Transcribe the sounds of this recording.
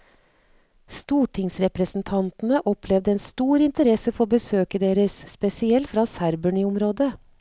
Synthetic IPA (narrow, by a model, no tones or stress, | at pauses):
st̪uːʈʰɪŋsɾɛpɾəsn̩t̪ʰɑnt̪n̩əʔɔpʰlɛʋd̪əɛːnst̪uːɾɪnt̪əɾɛsəfɔɾoːbəsøːkəd̪eːɾəsspɛsɪɛlt̪fɾɑːsæɾbəɳyːʊmɾoːd̪ə